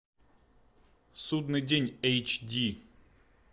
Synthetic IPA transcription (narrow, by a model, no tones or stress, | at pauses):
sud̪nɨjdʲenʲɛjt͡ɕdʲi